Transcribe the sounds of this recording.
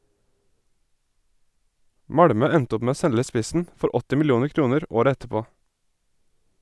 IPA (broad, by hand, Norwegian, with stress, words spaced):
ˈmɑɽmœ ˈɛnt ˈʊp ˈmeː ˈoː ˈsɛlə ˈspɪsn̩ ˈfɔɾ ˈɔtɪ mɪlɪˈuːnəʁ ˈkɾuːnəɾ ˈoːɾə ˈɛtəˌpoː